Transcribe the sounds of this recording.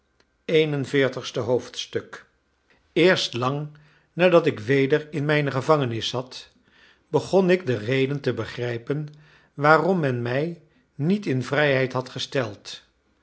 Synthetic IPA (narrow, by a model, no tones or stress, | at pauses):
ejnənvɪːɹtəχstəɦowftstɵk | ɪːɹstlɑŋ | naːdɑtɪkʋejdərɪnmɛjnəχəvɑŋənɪsɑt | b̥əχɔnɪɡ̚dərejdəntəbəχrɛjpən | ʋaːrɔmːɛnmɛj | nitɪnvrɛjɦɛjtɦɑtχəstɛlˠt